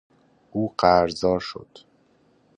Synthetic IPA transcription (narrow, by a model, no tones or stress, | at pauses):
uːɢæɾzɒːɾʃo̰d̪̥